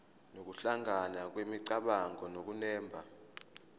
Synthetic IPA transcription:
nok̬uɬaŋanak̬wemiǀaɓaŋɔnok̬unɛːmbʱa

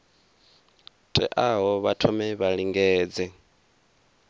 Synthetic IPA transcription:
tʼɛ̰ʔaɦɔβatʰɔmɛβaɺiŋɡɛːd͡zɛ

